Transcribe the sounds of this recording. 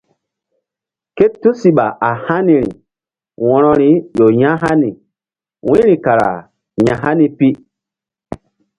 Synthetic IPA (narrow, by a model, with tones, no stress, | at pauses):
ke˦tːu˦si˨ɓa˨ʔa˨ha˦ni˨ɾḭ˨ | wɔ̃˨ɾɔ˨ɾi˨˦jo˨ɲã˦ɦa˦ni˨ | wĩ˦ɾĩ˨ka˨ɾa̰˨ | ɲa˨ɦa˦ni˦pi˦